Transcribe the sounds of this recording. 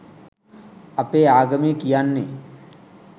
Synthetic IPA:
ɐpeːaːɡɐmikijanːe

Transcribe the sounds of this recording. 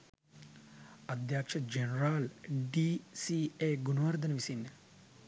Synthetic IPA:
ɐd̪jaːkʂɐd͡ʒenɾaːlɖiːsiːeːɡunɐʋɐɾd̪ʱɐnɐʋisinːɐ

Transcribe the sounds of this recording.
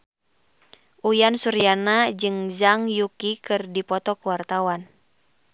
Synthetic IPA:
ʔujansuɾianad͡ʒɨŋzaŋjukikɨrdipɔt̪ɔkuwart̪awan

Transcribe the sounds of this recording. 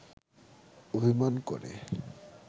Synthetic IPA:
obʱimankɔ̰ɾḛ

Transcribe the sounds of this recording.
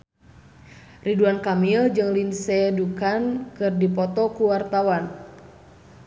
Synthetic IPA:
riduankamild͡ʒɨŋlinsɛdukankɨrdipɔt̪ɔkuwart̪awan

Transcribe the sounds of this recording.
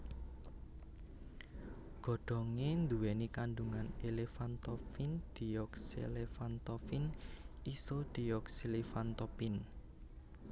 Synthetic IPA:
ɡ̥ɔ̤ɖ̥ɔ̤ŋend̪uwenikanɖuŋanelefant̪ɔfind̪̥i̤ɔksḛlefant̪ɔfinisod̪̥i̤ɔksilifant̪ɔpin

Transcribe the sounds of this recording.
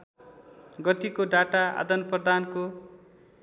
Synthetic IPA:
ɡʌt̪ikoɖaʈaa̰d̪ʌnprʌd̪anko

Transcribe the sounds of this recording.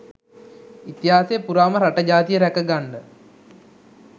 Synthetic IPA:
it̪ːjɦaːsejpuɾaːmɐɾɐʈːɐd͡ʑaːt̪ijɐɾɐkɐɡɐɳɖɨ

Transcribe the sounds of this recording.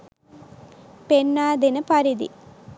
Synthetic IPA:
penːaːd̪enɐpaɾid̪ḭ

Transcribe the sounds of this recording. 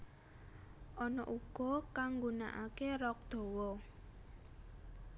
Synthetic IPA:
ʔɔnɔʔuɡ̥ɔ̤kaŋɡuna̰ʔakerɔk̚d̪̥ɔ̤wɔ

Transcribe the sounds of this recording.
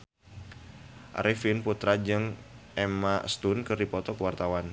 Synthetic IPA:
ʔa̰ɾʔifinput̪ɾad͡ʒɨŋ | ʔɛmast̪unkɨrdipɔt̪ɔkəwart̪awan

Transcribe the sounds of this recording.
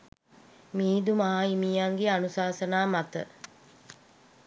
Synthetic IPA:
miːd̪umaɦaimijaŋɡeanusaːsənaːmat̪ə

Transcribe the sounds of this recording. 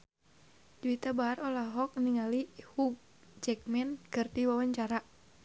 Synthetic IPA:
d͡ʒuit̪abaːrɔlaɦɔk̚niŋalihuɡ̚ | d͡ʒɛk̚mɛnkɨrt̪iwawaɲt͡ʃaɾa

